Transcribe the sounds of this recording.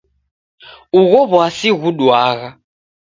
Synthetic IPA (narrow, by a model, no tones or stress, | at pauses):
uɣɔβɔasiɣuɗwaːɣa